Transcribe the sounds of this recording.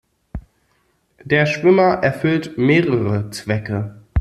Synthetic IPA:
d̥eːɐʃv̥ʏmɐʔɛɐfʏltmeːʁəʁət͡sv̥ɛkə

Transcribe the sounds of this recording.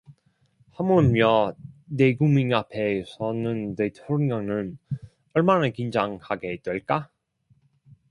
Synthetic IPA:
hamumjʌne̞ɡumiŋapʰe̞sʰʌnɯnːetʰoɾiŋanɯn | ʌɭmanakind͡ʑaŋhaɡe̞d̥weɭk͈a

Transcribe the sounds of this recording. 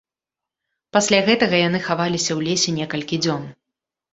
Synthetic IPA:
pasʲlʲaɣɛt̪ɐɣɐjanɨxavalʲisʲɐwlʲesʲɛnʲɛkɐlʲkʲid͡zʲɔn

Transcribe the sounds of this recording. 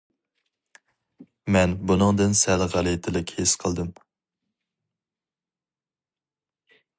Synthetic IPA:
mɛnbunɨŋd̪ɨnsɛlʁælˠit̪ʰɪlɪkʲhesqʰəlˠd̪ɨm

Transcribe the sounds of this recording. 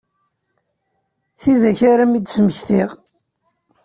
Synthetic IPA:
θiðæçaɾæmid̪sməçθiʁ

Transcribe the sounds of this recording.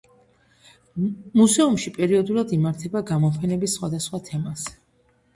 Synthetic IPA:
muzɛumʃipʼɛɾiɔd̪ulˠad̪imaɾt̪ʰɛbaɡamɔpʰɛnɛbisːχwad̪asχwat̪ʰɛmaz̥

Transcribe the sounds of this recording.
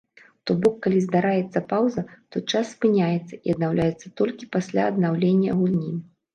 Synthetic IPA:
t̪ɔbɔkːalʲizd̪aɾajɛt̪sːɐpawzɐt̪ɔt͡ʂasːpɨnʲajɛt̪sːɐʔiɐd̪nawlʲajɛt̪sːɐt̪ɔlʲkʲipasʲlʲa̰ɐd̪nawlʲenʲːɐɣulʲnʲi

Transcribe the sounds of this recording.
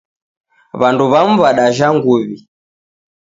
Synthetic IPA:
βanduβam̩vaɗaʒaŋɡuβi

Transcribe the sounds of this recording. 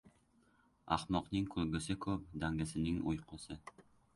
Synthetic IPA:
a̰χmɒqnɪŋkʰɵlɡʲɪsɪkʰɵp̚d̪aŋɡʲɪsɪnɪŋojqʰɒsɪ

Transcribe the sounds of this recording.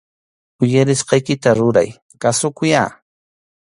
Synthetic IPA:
ʊjaɾɪsqɑjkɪt̪aɾʊɾa̰j | kasʊkʊja̰ː

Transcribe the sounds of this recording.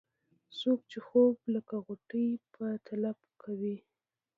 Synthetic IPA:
sok̚t͡ʃexobləkaɣʊʈəjpət̪ʰalabkʰawi

